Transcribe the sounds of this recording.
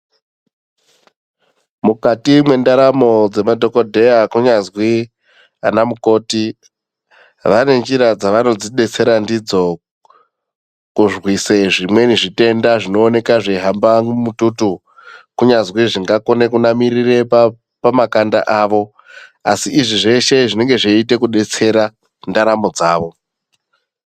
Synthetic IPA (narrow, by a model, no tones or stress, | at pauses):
mukatimwe̞ndaɾamo̞d͡ze̞madʱo̞ko̞dʱe̞jakuɲazwi | anamuko̞ːti | ʋane̞nd͡ʒiɾad͡zaʋano̞d͡ziɗe̞t͡se̞ɾandid͡zo̞ | kuʐɣwiseʐimwe̞niʐite̞ndaʐino̞ːne̞kaʐeɦambamututu | kuɲazwiʐiŋɡako̞ne̞kunamirire̞ | pamakanda̰ʔaʋo̞ | asiʔːʐiʐe̞ʃe̞ʐine̞ŋɡe̞ʐeite̞kuɗe̞t͡se̞ɾa | ndaɾamod͡zaːʋo̞